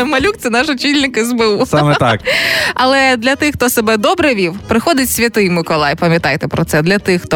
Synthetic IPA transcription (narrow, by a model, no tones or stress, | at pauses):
mɐlʲuk̚t̪sɛnɑʃɔt͡ʃʲilʲnɪkɛzbeusamɛt̪a̰kɐlˠɛd̪lʲɐt̪ɪxt̪ɔsebɛd̪ɔbɾɛʋʲiwpɾɪxɔd̪ɪtʲsʲʋʲɐt̪ɪjmɪkɔlˠɑjpɐmʲjɐt̪ɑjt̪ɛpɾɔt̪sɛd̪lʲɐt̪ɪxt̪ɔ